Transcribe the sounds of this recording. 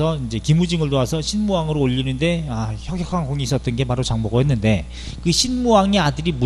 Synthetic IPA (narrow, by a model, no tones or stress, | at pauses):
ʌind͡ʑe̞kimud͡ʑiŋɯɭtoasʰʌɕʰinmuaŋɯɾoːʎːinɯnde̞açjʌɡjʌkʰankoŋiːs͈ʌt͈̚ɯnɡe̞paɾot͡ɕaŋboɡoɦenːɯnde̞ | kɯɕʰinmuaŋeadɯɾimu